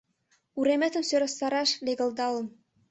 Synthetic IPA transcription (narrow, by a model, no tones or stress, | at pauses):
uɾemĕt̪ə̆msøɾə̆st̪ɑɾɑʃleɣə̆ld̪ɑlə̆m